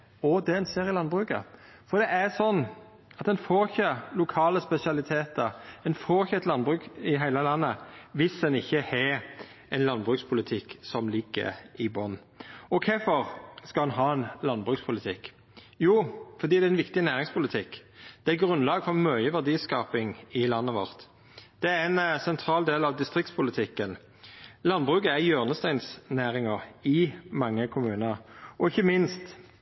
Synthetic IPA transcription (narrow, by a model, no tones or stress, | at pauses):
ɔd̪ɛɛnseːɾɪlɑnbʁʉːkə̰ | fɔɾd̪ɛʔæsɔnː | ɑt̪d̪ɛnfoːɾɪçəlʊkʰɑːləspɛsɪɑlɪt̪ʰeːt̪əɾɛnfoːʁɪçəɛt̪lɑnbʁʉːkɪɦæɪləlɑnːəʋɪsdɛnɪçːəhɛ | ɛnlɑnbʁʉːkspʰʊlɪt̪ʰɪkːsɔmlɪɡːə̰ɾɪbɔnː | ɔkʰɛfɔʁskɑlɛnɦɑːɛnlɑnbʁʉːkspʰʊlɪt̪ʰɪk | juːfɔʁd̪iːd̪ɛæɪnʋɪkt̪ɪnæːʁɪŋspʰʊlɪt̪ʰɪkːd̪̥ɛæɛt̪̚ɡʁʉnlɑːɡfɔʁmœʏəʋæʁd̪iːskɑːpɪŋɪlɑnːəʋɔʁt̪ | d̪̥ɛæænsɛnt̪ʰʁɑːld̪eːlɑʋd̪ɪst̪ʁɪk̚t̪spʰʊlɪt̪ʰɪkːən | lɑnbʁʉːkəæʁjøːʁnəst̪æɪnsnæːʁɪŋəʁɪmɑŋːəkʰʊmʉːnəɾʔɔɪçːəmɪnst̪